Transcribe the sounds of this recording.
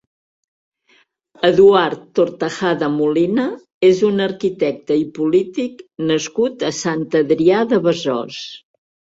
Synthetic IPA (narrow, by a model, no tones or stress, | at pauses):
əðuaɾt̪ːoɾt̪əxaðəmulinə | ezunəɾkit̪ɛk̚t̪əipulit̪iknəskut̪əsant̪əðɾiaðəβəzɔ̰s